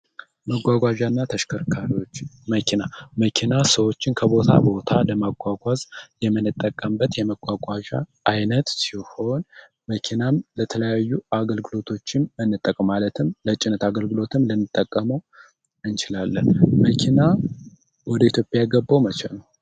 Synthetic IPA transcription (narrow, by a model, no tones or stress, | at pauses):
məɡʷaɡʷaʒanːat̪ʰəʃkʰəɾkʰaɾiwo̞t͡ʃːməkʰinaməkʰinasəwo̞t͡ʃːɪnkʰəβo̞t̪ʰa̰bo̞t̪ʰaləmaɡʷaɡʷazjɛmːɨnːɨt̪ʼːəkʼːəmbət̪jɛməɡʷaɡʷaʒa̰ʔajnət̪siho̞n | məkʰinamlət̪ʰələjajːuaɡəlɡɨlo̞t̪ʰo̞t͡ʃːɪnɨnːɨt̪ʼːəkʼəmalət̪ʰɨmlət͡ʃʼɪnət̪aɡəlɡɨlo̞t̪ʰɨmlənːɨt̪ʼːəkʼːəməw | ɨnt͡ʃɪlalːənməkʰina | wɔd̪əit̪jo̞pʼjajɛɡəbːəwmət͡ʃɛnəw